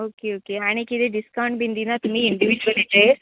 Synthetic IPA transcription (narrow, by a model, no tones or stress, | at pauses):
oːkeoːkeaːɽ̃eked̪eɖɪskaʊɳʈ̚bʱĩːnd̪inat̪um̤ĩɪɳɖiʋid͡ʒbəlet͡ɕaɦe